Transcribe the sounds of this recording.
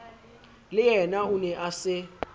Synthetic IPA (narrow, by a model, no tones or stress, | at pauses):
lɪjɛnaunɛʔasɪ